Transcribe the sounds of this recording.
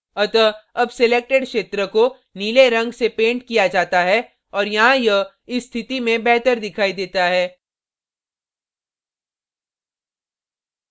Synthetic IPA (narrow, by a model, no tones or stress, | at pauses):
ɐt̪əɐbseleːk̚ʈeɖkʃeːt̪ɾəko | niːleɾɐ̃ŋɡsepẽːɳʈkijad͡ʒaːt̪aɦɛ | ɔːɾjɐɦãjɐɦ | ɪsːt̪ʰɪt̪imẽbɛɦt̪əɾd̪ɪkʰaːid̪eːt̪aɦɛː